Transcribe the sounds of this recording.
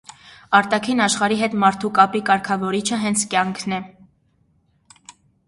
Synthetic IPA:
ɑɾt̪ɑkʰinɑʃχɑɾiɦɛt̪mɑɾt̪ʰukɑpikɑɾkʰɑvɔɾit͡ʃʰəɦɛnt͡sʰkjɑŋkʰnɛ

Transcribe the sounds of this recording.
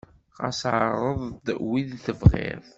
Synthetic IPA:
qɑ̰sʕəɾˤəðˤd̪wiðθəvʁɪ̰ɾ

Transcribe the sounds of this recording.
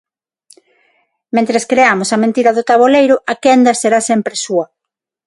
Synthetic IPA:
mẽnt̪ɾeskɾeamʊsɐmẽnt̪iɾɐðʊt̪aβolejɾʊʔɐkɛnd̪ɐseɾasɛmpɾesuɐ

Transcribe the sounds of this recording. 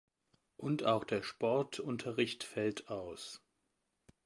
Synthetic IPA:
ʔʊntaʊxd̥eːɐʃpɔɐtʰʊntʰɐʁɪçtfɛltʰaʊs

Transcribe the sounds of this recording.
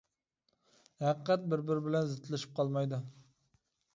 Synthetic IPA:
hæqqʰːæt̪̚bɪɾbɪɾbɪlɛnzɪt̪ʰlɪʃi̥p̚qʰɑlˠmɑjd̪ʊ

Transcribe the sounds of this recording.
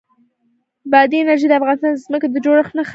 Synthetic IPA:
bad̪inaɾʒed̪əafɣɑnɪst̪ɑnəzməkad̪əd͡ʒoɽaxnax

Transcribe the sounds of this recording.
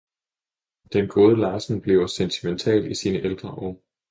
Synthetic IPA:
d̥enɡ̥o̝ːð̞ˠəlɑ̈ːsn̩b̥le̝ʊɐsent͡sʰiment͡sʰɛ̰ːlisiːnəʔeld̥ʁɐʔɒ

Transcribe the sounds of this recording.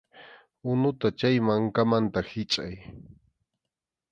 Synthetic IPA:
ʊnʊt̪at͡ʃajmaŋkamant̪ahɪt͡ʃʼaj

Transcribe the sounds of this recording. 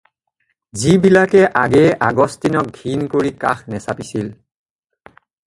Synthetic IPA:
zibilakɛʔaɡɛʔaɡɔstinɔk̚ɡʱinkoɹika̰xnɛsapisil

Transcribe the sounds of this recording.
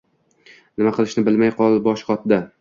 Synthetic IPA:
nɪmaqʰɨlˠɪʃnɪbɪlmajqʰɒlˠbɒʃqʰɒt̪d̪a

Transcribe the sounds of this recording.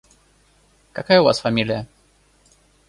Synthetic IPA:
kɐkajəʊva̰sfɐmʲilʲɪjə

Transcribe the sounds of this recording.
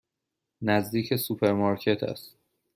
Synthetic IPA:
næzd̪iːcʰesupʰeɾmɑɾcʰe̞t̪ʰæ̰st̪

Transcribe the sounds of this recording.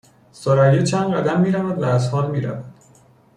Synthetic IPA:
soɾæjet͡ʃʰænɢæd̪æmːiːɾævæd̪væːzhɒːlmiːɾæ̰væd̪̥

